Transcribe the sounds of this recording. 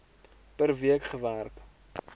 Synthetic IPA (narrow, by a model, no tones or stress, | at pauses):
pərviəkχəvæːrk